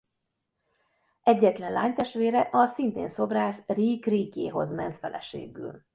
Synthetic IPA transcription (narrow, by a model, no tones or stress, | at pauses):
ɛɟːɛt̪lɛnlaːɲt̪ɛʃt̪ʋeːɾɛʔɒsint̪ḛːnso̞braːʃriːkriːkeːɦo̞̰zmɛnt̪fɛ̰lʔɛ̰ʃḛːɡy̰ːl